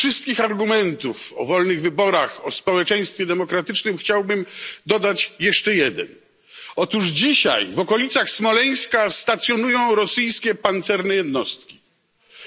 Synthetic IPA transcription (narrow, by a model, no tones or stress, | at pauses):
fʂɨst̪̚kʲixaɾɡumɛnt̪ufɔ̰vɔlnɘɣvɘbɔɾaxɔspɔwɛt͡ʂɛ̃j̃st̪fʲjɛd̪ɛmɔkɾat̪ɘt͡ʂnɘmxt͡ɕawbɘmd̪ɔd̪at͡ɕjɛʂt͡ʂɛjɛd̪ɛ̰n | ɔt̪uʐd͡ʑiɕa̰jvɔkɔlʲit̪saxsmɔlɛj̃skast̪at̪sʲjɔnujɔ̃w̃ɾɔsɘjskʲɛpant̪sɛɾnɛjɛd̪nɔst̪kʲi̥